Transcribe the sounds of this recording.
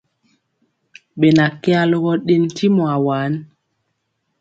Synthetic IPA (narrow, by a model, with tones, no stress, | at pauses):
ɓe˨na˨kɛ˦a˦lo˦ɣɔ˦ɗe˦n˦tʰi˦mɔ˨a˨waː˨˦n˦